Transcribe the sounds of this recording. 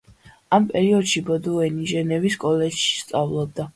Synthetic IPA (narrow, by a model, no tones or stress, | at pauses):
ampʼɛɾiɔd̪ʃibɔd̪uɛniʒɛnɛviskʼɔlɛd͡ʒʃi̥st̪sʼavlˠɔb̚d̪a